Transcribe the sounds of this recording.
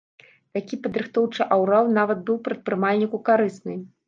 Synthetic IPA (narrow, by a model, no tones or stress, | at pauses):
t̪akʲipɐd̪ɾɨxt̪ɔwt͡ʂɨʔawɾaw̪ˠnavɐd̪̚bɨwpɾɐt̪̚pɾɨmalʲnʲikukaɾɨsnɨ